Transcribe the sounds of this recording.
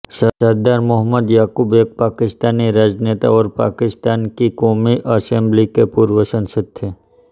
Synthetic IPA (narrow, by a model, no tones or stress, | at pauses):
sɐsad̪aːɾmʊɦəmːəd̪jaːkuːbeːk̚paːkɪst̪aːniɾaːd͡ʒneːt̪a̰ɔːɾpa̰ːkɪst̪aːnkikɔːmiʔəsẽmblikepuːɾʋəsə̃nsəd̪̚t̪ʰeː